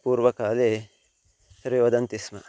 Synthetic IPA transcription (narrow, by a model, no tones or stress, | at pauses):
kuːɾʋɐkaːle | sɐɾiʋɐd̪ɐnt̪ismɐ